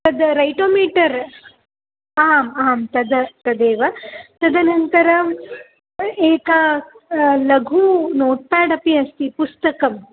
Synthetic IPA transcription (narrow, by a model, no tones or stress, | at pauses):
t̪ɐd̪ɾɐjʈoːmiːʈɐɾ | aːmaːmt̪ɐd̪ɐt̪ɐd̪eːʋɐt̪ɐd̪ʱɐnɐnt̪ɐɾɐ | eːkɐ | lɐɡʱunoːʈ̚paːɽɐpiɐst̪ipust̪ɐkɐm